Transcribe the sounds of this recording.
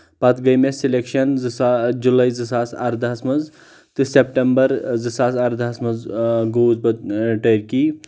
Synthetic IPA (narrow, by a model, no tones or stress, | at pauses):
pɐt̪ɡɐjmesilekʃɐnzɨsad͡ʒulɐjzɨsaːsɐ̰ɾd̪ʱasmɐz | t̪ɨsep̚ʈembɐɾzɨsaːsɐɾd̪ʱasmɐzɡoːzbɐd̪̚ʈəjɾki